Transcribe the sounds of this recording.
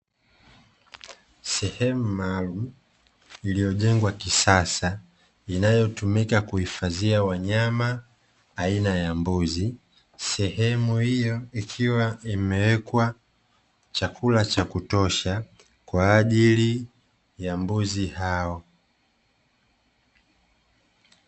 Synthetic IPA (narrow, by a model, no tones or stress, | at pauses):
sɛhɛmumaːlum̩ | ilijɔʄɛŋɡwakisasa | inajɔtumikakuhifaziawaɲamaː | inajambuzi | sɛhɛmuhijɔikʰiwaimɛwɛkwa | t͡ʃakʰulat͡ʃakutɔʃa | kwaːʄili | jambuzihaɔ